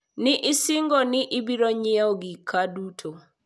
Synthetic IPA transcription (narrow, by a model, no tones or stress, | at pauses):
nɪʔɪsɪŋɡɔnɪʔɪbiɾɔɲɪaɔɡikʰadutʰo